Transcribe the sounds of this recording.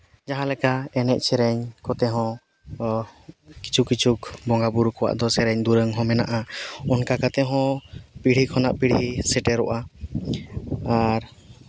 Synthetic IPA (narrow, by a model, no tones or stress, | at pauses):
d͡ʒaɦãlɛkaɛnɛʔ̚ˀt͡ʃʰɛɾɛɲkɔt̪ɛɦɔ̃ | ki̥t͡ʃʰukit͡ʃʰukbɔŋɡabuɾukɔwa̰ʔd̪ɔsɛɾɛɲd̪uɾəŋɦɔ̃mɛna̰ʔaɔnkakat̪ɛɦɔ̃piɽ̤ikʰɔnaʔpiɽ̤isɛʈɛɾɔʔa | aɾ